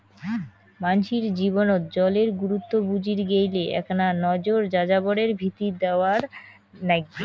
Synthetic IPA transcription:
manʃiɾd͡ʑibonot̪d͡ʑɔleɾɡuɾut̪ːobud͡ʑiɾɡejleʔɛ̰knanɔd͡ʑoɾd͡ʑad͡ʑaboɽeɾbʱit̪id̪eoaɾ | nɛɡːi

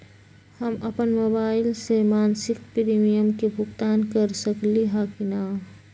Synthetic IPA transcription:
həmɐpənmoːbaːɪlsemaːnsɪk̚pɾiːmijəmkebʱʊɡt̪aːnkəɾsəkliɦakina

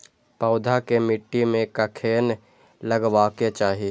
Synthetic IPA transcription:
paʊd̪ʱakemɪʈːimẽkəkʰeːn | ləɡwaːket͡ʃaːɦi

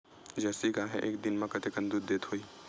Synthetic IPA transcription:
d͡ʒɛːsikaɦɛ̰̃ʔeːkd̪ɪnmãkət̪ekə̃nd̪ud̪d̪eːt̪ɦoiː

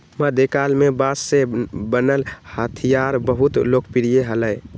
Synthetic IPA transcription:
məd̪ʱekalmebasːebənəlhət̪ʰijaɾbəɦut̪lokʰpiɾijeɦələj

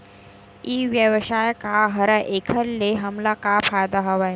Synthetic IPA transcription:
iːʋjəʋəʃaːjkaɦɐɾɐʔekʰəɾleɦɐmlakapʰaːjd̪aɦɐʋaj

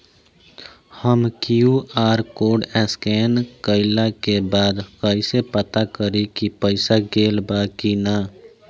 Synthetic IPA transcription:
həmkjuʔaːɾkoːɖɛːskɛːnkəɪlakebaːd̪kəisepət̪akəɾekipəɪsaɡeːlbaːkinaː

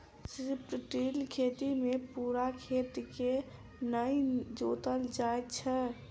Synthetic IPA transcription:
sɾipʈʈilkʰet̪imepuɾakʰet̪ike | nəjd͡ʒot̪əld͡ʒajt̪t͡ʃʰɛ

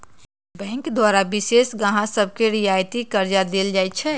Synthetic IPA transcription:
bɛ̃ːŋkd̪waːɾabisesɡəɦãsəb̚ʱkeɾijajt̪ikəɾd͡ʒad̪eld͡ʒaɛt͡ʃʰɛ

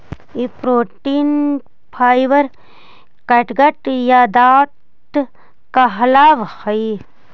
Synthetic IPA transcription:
ipɾoːʈiːn | pʰaːjʋɐɾ | kɐʈɡɐʈjad̪aː | ʈ | kɐɦlaːʋhɐj

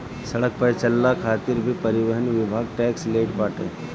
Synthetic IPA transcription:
sɐɽək̚pəɦt͡ʃəlːakʰaːt̪ɪɾbʱipɐɾɪʋəɦənʋɪbʱaːɡ̚ʈɛːksleːʈpaːʈḛ̃ː

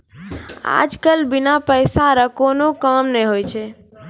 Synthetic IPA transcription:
a̰d͡ʒkəlbinapəɪsaɾəkonokamnɛɦojt͡ʃʰɛ

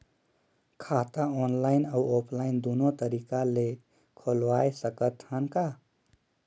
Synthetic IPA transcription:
kʰat̪aɔnlaɪnawopʰlaɪind̪unot̪əɾikale | kʰolʋajsəkət̪hənka

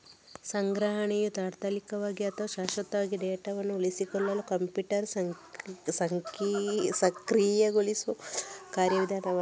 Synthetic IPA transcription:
sɐŋɡɾɐɦɐɳijut̪aːɾt̪ʰɐlikɐʋaːɡiɐt̪ɐʋɐʃaːʃɐt̪ːɐʋaːɡiɖeːʈɐʋɐnːuulisikɔlːɐlukɐmpjuːʈɐɾsɐsɐŋ | sɐkɾiːjɐɡulisʋukaːɾjɐʋid̪ʱaːnɐʋɐ

